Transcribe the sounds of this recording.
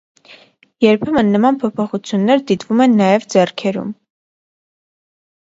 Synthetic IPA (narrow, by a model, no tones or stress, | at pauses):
jɛɾpʰɛmənːəmɑnpʰɔpʰɔχut͡sʰjunːɛɾd̪it̪vumɛnːɑjɛvd͡zɛrkʰɛɾṵm